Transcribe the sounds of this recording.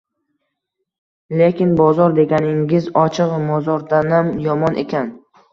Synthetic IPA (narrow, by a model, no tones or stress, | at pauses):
le̞kʲɪnbɒzɒɾd̪e̞ɡʲanɪŋɪzɒt͡ʃʰɨqvamɒzɒɾd̪anamjɒmɒnʔe̞̰kʲan